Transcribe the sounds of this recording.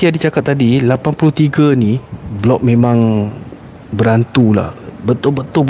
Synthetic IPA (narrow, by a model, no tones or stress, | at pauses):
t̪iadit͡ʃakat̪̚ːadilapanpulʊht̪iɡaniblɔʔ̚mẽmãŋ | bəɾant̪ula̰hbət̪ʊlbət̪ʊb